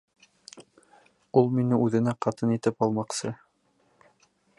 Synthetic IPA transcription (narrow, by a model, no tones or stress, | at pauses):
ulˠminɘʉðɘ̆næqɑt̪ɤnit̪ɘpɑlˠmɑqsɤ